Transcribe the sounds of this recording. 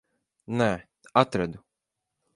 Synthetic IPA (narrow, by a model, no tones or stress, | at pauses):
nɛ | at̪ɾɛd̪u